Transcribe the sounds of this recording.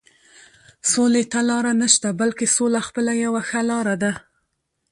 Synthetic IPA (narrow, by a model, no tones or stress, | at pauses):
solet̪alɑɾanaʃt̪abalkesolaxpəlajawaxalɑɾad̪a